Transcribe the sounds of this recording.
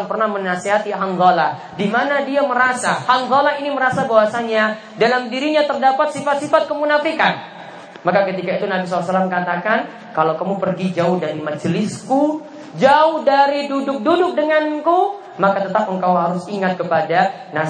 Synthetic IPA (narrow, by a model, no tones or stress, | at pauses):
ŋpərnahmənaseɦat̪iɦand̪ɔla | dimanadiaməɾasahand̪ˤɔlainiməɾasabawasaɲa | dalamdiɾiɲat̪ərdapat̪̚sifat̪̚sifat̪̚kəmunafikan | makakət̪ikait̪unabis̬ɔlːasalaməkat̪akan | kalawkamupərɡid͡ʒaʊhdaɾimad͡ʒəlɪsku | d͡ʒaʊhdaɾidudʊk̚dudʊk̚dəŋanku | makat̪ət̪ap̚əŋkawɦaɾʊsiŋat̪̚kəpada | na